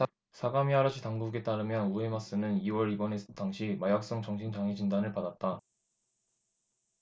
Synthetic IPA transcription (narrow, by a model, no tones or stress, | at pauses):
sʰaɡamiaɾaɕʰitaŋɡuɡe̞t͈aɾɯmjʌnue̞mas͈ɯnɯniwʌɾibʌne̞sʰʌ̥taŋɕʰimajak̚s͈ʌŋt͡ɕʌŋɕʰint͡ɕaŋid͡ʑindanɯɭpadat̚t͈a